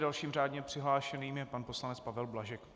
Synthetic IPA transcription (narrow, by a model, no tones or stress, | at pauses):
dalʃiːmr̝aːdɲɛpr̝̥ɪɦlaːʃɛniːmjɛpanpo̞slanɛt͡spavɛlblaʒɛk